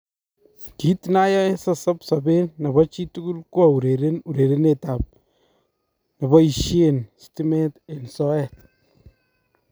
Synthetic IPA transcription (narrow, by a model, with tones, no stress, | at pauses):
ki˦tna˦ja˦sa˦sa˦psa˨be˦nːɐ˨βɔ˦t͡ʃi˦tu˦ɡu˦lkwɔ˨u˨ɾe˨ɾe˦nu˨ɾe˨ɾe˦ne˨ta˨p̚ | na˨bɔ˦i˨ʃje˨nsti˦mɛ˦te˨nsɔ˦ɛt